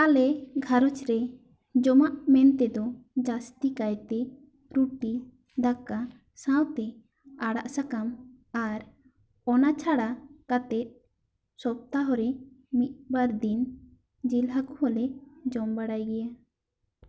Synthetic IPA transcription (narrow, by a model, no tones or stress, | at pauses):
alɛɡʱaɾɔt͡ʃɾɛ | d͡ʒɔmaʔmɛnt̪ɛd̪ɔd͡ʒast̪ikajt̪ɛ | ɾuʈi | d̪aka | sãwt̪ɛ | aɽa̰ʔsakam | aɾ | ɔnat͡ʃʰaɽakat̪ɛt̪̚ | sɔp̚t̪aɦɔɾɛmit̪̚baɾd̪in | d͡ʒilɦakɔhɔlɛd͡ʒɔmbaɽajɡɛja